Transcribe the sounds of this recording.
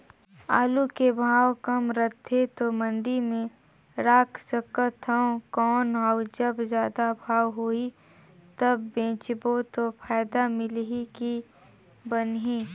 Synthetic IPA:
aːlukebʱaːwkɐmɾət̪ʰːet̪omə̃ɳɖimẽ | ɾaːkʰsəkət̪ʰəõkɔːnɦaːd͡ʒəbzjaːd̪abʱaːwɦoːi | t̪ɐbːẽːt͡ʃbot̪opʰaːɪd̪amɪlɦiki | bənɦiː

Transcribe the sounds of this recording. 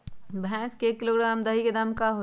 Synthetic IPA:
bʱɛ̃ːskekiloːɡɾaːmd̪əɦiked̪ɐmkaɦo

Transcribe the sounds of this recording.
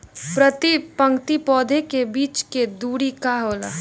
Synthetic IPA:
pɾət̪ipɐ̃ŋkt̪ipɔːd̪ʱekebiːt͡ʃked̪uːɾikaɦoːla̰ː

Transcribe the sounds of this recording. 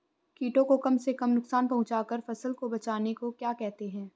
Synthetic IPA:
kiːʈõkokɐmsekɐmnʊksaːnpɐ̃ɦʊ̃t͡ʃaːkəɾfɐsəlkobɐt͡ʃaːnekokjaːkɛɦt̪eɦɛ̃ː

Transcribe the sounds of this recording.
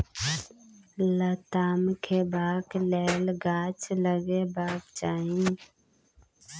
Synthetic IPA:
lət̪aːmkʰebaːklɛːlɡaːt͡ʃləɡebaːkt͡ʃaːĩ

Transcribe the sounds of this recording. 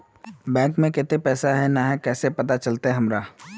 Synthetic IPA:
bɛ̃ːŋkmẽkɪt̪epɛːsaɦɛnaɦɛkɛːsepɐt̪at͡ʃɐlt̪aɦɛɦɐmɾaː

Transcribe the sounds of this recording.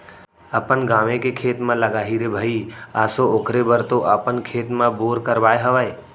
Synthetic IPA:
əpənɡaːʋẽkekʰeːt̪mãləɡaːɦiːɾebʱəiaːsooːkʰɾebəɾt̪oʔapənkʰeːt̪mãboːɾkəɾʋaːeɦəʋəe

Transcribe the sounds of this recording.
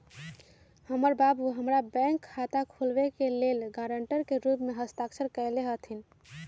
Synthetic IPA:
həməɾbabuɦəmɾabɛ̃ŋkʰːat̪akʰulbekelelɡaɾəɳʈəɾkeɾupmeɦəst̪aksʰəɾkəɪleɦət̪ʰin

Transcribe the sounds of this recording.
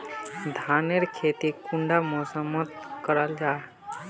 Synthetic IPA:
d̪ʱaneɾkʰet̪ikuɳɖamosəmət̪̚kəɾəld͡ʒa

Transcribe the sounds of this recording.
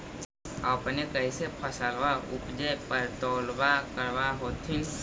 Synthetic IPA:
əpnekəɪsepʰəsəlʋaʊ̰pd͡ʒəjpəɾt̪oːlbakəɾʋaɦoːt̪ʰĩ

